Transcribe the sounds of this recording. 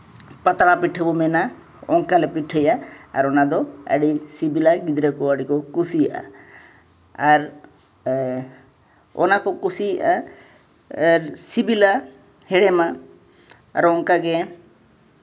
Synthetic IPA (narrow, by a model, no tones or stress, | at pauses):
pat̪aɽapiʈʰəbɔmɛna | ɔŋkalɛpiʈʰəjaa̰ɾɔnad̪ɔə̰ɽisibilaɡid̪ɾɛkɔəɽikɔkusijaʔa̰ | aɾ | ɔ̰nakɔkusijaʔa | ɾsibila | hɛɽɛma | a̰ɾɔŋkaɡɛ